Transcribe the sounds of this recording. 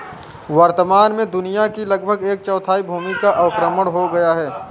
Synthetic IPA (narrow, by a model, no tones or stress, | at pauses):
ʋəɾt̪əmaːnmẽd̪ʊnijakilɐɡ̚bʱəɡeːk̚t͡ʃɔːt̪ʰaːibʱuːmikaʔɐʋkɾəməɽɦoɡɐjaɦɛː